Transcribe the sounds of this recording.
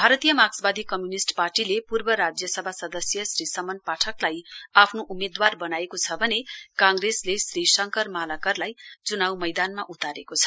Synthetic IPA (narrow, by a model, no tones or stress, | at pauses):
bʱaɾʌt̪ijʌmaksbad̪ʱikʌmjunisʈparʈilepurbʌɾad͡zjʌsʌbʱasʌd̪ʌsjʌsrisʌmʌnpaʈʰʌklajapʰnoʔumed̪warbʌnaekot͡sʰʌbʱʌnekãŋɡreslesrisʌŋkʌrmalakʌrlajt͡sunawmʌjd̪anmaʔut̪aɾekot͡sʰʌ̥